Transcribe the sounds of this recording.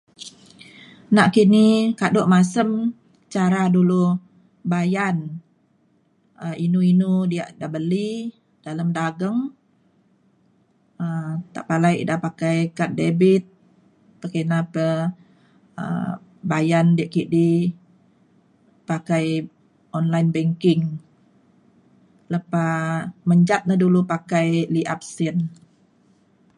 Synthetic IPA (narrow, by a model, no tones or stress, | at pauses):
naʔkinikadoʔmasəm | t͡ʃaɾadulu | bajan | əinuinudia̰ʔdabəli | d̥aləmdaɡəŋ | ət̪a̰ʔpalajʔdapakajkat̪̚debit̪̚ | pakanapə | ə̰ | bajandiaʔkiʔdi | pakaj | ʔɔnlajnbɛŋkɪŋ | ləpaməɲd͡ʒat̪̚nadulupakajliʔa̰p̚sin